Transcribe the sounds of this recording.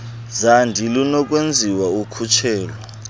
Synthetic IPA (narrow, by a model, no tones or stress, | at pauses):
zandʱilunɔk̬ʼwend͡zʱiwaukʰut͡ʃʰɛːlɔ